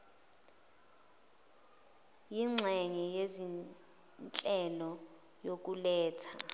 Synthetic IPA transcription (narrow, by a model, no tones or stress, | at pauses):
jiŋ͡ǁʱɛŋɛjezi | nt͡ɬʼɛlɔ | jok̬ulɛːtʰa